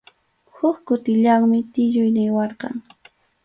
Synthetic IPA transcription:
hʊkkʊt̪ɪʎaŋmɪt̪ɪʎʊjnɪjwɑɾqɑ̰ŋ

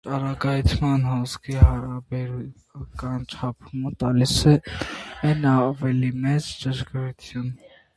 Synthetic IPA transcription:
t̪ɑɾɑɡɑjt̪ʰmɑnhɔskʰihɑɾɑbɛɾu | kɑnt͡ʃʰɑpʰumət̪ɑlisɛ | ɛnɑvɛlimɛt͡sd͡ʒəʒɡɾut̪ʰjun

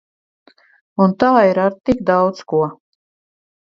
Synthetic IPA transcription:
unt̪aːiɾaɾt̪ikd̪awd̪skuɔ

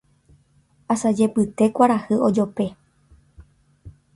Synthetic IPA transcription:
asad͡ʒe̞pɨt̪e̞kʷaɾahɨʔod͡ʒo̞pe̞

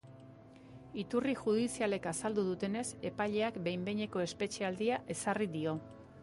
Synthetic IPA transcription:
it̪uriʝuð̞isiale̞kasald̪uð̞ut̪e̞ne̞se̞paʎe̞akbe̞jmbe̞ɲe̞ko̞e̞spe̞t͡ʃe̞ald̪iaʔe̞sariðio̞

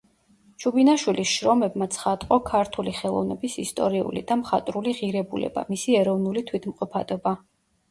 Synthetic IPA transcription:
t͡ʃʰubinaʃwilisʃɾɔmɛbmat̪sʰχat̪ʼqʼɔkʰaɾt̪ʰuliχɛlˠɔ̰vnɛbisist̪ʼɔ̰ɾiṵlḭd̪amχat̪ʼɾuliʁiɾɛbulɛ̰b̥a̰misiɛɾɔvnulit̪ʰwit̪ʰmqʼɔpʰad̪̥ɔba

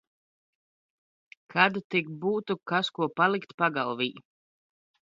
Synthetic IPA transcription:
kʰad̪ut̪ik̚buːt̪ukaskuɔpalˠikt̪paɡalˠviː

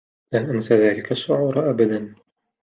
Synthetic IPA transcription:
laːʔansaðaːlɪkaʃːʊʕuːɾˤʔabad̪an

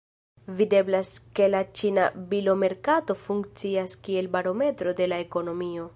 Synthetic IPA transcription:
vide̞blaske̞lat͡ʃina̰bilo̞me̞ɾkato̞fuŋkt͡siaskie̞lbaɾo̞me̞tɾo̞de̞lae̞ko̞no̞mio̞

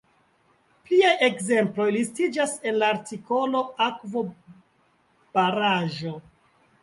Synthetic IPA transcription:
pliajʔe̞kze̞mplo̞jlistid͡ʒase̞nlaːɾtiko̞lo̞akvo̞ | b̥aɾaʒo̞

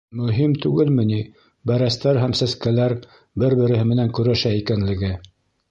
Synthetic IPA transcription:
mɵ̆ɦimt̪ʉɡɘlmɘ̆ni | bæɾæst̪æɾɦæmsæskælæɾ | bɘɾbɘ̆ɾɘ̆ɦɘmɘ̆næŋkɵ̆ɾæʃæikænlɘ̆ɡɘ

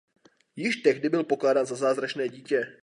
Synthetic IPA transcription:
jɪʃt̪ɛɣdɪbɪlpo̞klaːdaːnzazaːzɾat͡ʃnɛːɟiːcɛ

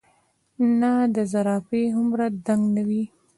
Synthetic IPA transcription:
nad̪əzaɾɑfeɦʊmɾad̪aŋɡnawi

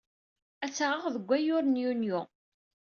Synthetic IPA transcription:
æt͡sːaʁəʁðəɡʷːæjʊɾnjunjʊ

